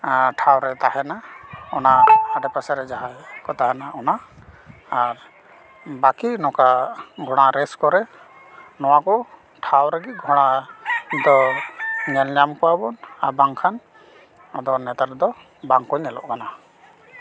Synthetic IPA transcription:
ʈʰawɾɛt̪aɦɛnaɔnaːɖɛpasɛɾɛd͡ʒaɦajkɔt̪aɦɛnaʔɔna | aɾ | bakinɔkaɡʱɔɽ̃aɾɛskɔɾɛ | nɔwakɔ | ʈʰawɾɛɡiɡʱɔɽ̃a | d̪ɔ | ɲɛlɲamkɔwabɔna̰baŋkʰan | ad̪ɔnɛt̪aɾd̪ɔ | baŋkɔjnɛlɔ̰ʔkana

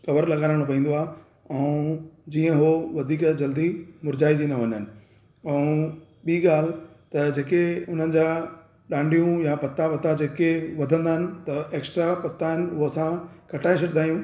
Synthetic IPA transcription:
kɐʋəɾlɐɠaːɾəɽ̃pɐĩːn̆d̪oaːɦ | ɛ̃ũd͡ʑiːə̃ɦoʋɐd̪ʱiːkd͡ʑɐld̪imʊɾd͡ʑaːid͡ʑinɐʋɐɲɦənɪ̆ | ɛ̃ | ɓiːɠaːl̤ɪ | t̪ɐd͡ʑeːkeʊn̤ənɪ̆d͡ʑaː | ɗãːɳɖʱijũjapɐt̪ːapɐt̪ːad͡ʑeːkeʋɐd̪ʱə̃nd̪aːɦɪnɪ̆t̪ɐeːksʈɾapɐt̪ːaːɦɪnɪ̆ʊsãkɐʈʰaːɪs̬ʰɐʈɪnd̪aːijũː

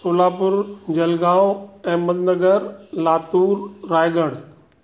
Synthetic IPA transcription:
soːlaːpʊɾd͡ʑɐlɡaːoɛ̃ːmɐznəɡəɾlaːt̪uːɾːaːɪɡəɽ̃

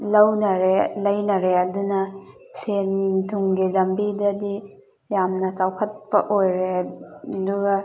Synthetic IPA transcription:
lɐwnɐɾelɐjnɐɾeɐdunɐ | sentʰuŋɡilɐmbidɐdi | jamnɐt͡ʃawkʰɐt̚pɐʔojɾe | duɡɐ

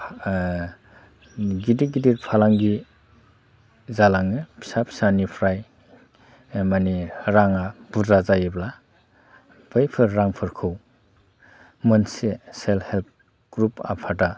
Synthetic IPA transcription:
ɡidiɡidiɾpʰalaŋɡi | zalaŋɯpʰi̥sapʰi̥sanipʰɾaj | maniɾaŋab̥uzazajibla | b̥ɯjpʰɯɾːaŋpʰɯɾkʰɯw | mɯnseselhelp̚ʰ | ɡ̥ɾupa̰pʰata

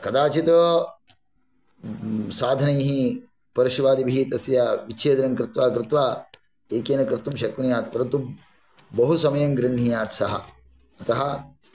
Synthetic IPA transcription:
kɐd̪aːt͡ʃit̪ɐ | saːd̪ʱɐnɐjɦi | pɐɾiʃʋaːd̪ibʱiːt̪ɐsjɐʋit͡ʃʰeːd̪ɐɾɐŋkɾɪt̪ʋaːkɾɪt̪ʋaː | eːkeːnɐkɾɪt̪umʃɐkːunjaːt̪pɐɾɐnt̪u | bɐɦusɐmɐjɐŋɡɾɪɳ̤ɦijaːt̪sɐɦɐ̰ | ɐt̪ɐɦɐ̆

